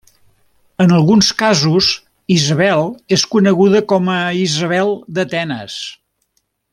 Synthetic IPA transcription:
ənəlˠɣunskazuz | izəβɛlˠeskunəɣuðəkɔməizəβ̞ɛlˠd̪ət̪ɛnə̰s

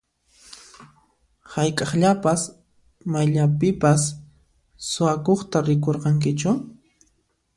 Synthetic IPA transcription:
hajkʼɑχʎapas | majʎapɪpasː | ʊakoχt̪aɾɪkoɾqɑŋkɪt͡ʃʊ

